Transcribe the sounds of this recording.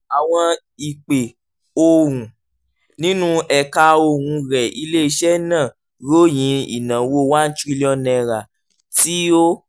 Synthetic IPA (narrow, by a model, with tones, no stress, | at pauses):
a˨w̃ɔ̃˧ | i˨k͡pe˨ | o˧ɾũ˨ | nĩ˦nũ˦ɛ˧ka˧o˧ɾũ˧ɾɛ˨i˧le˦i˧ʃɛ˦nãː˦˨ | ɾo˦jĩ˨˦ḭ˨nã˨wo˦wa˦n̩˦t͡ʃi˦˧li˦ɔ˧nɛ̃˧˨ɾa˨ | ti˦o˦